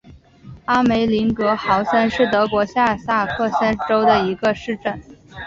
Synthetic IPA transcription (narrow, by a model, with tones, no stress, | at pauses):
a˥me˧˥ɪli˧˥ŋkɤ˧˥xɑ˧˥ʊsə˥nʂɻ̩˥˩t̪ɤ˧˥kwɔ˧˥ɕja˥˧sa˥˧kʰɤ˥˩sa˥nʈ͡ʂo˥ʊd̪ə˨i˧˥ɡə˧ʂɻ̩˥˧ʈ͡ʂə˥˩n